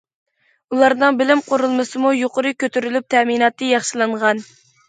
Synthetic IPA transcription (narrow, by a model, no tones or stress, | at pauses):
ulˠɑɾnɨŋbɪlɪmqʰoɾulˠmɨsɨmujoqʊɾɨkʲøt̪ʰyɾylyp̚t̪ʰɛminɑt̪ːɨjɑχʃilˠɨɴʁɑn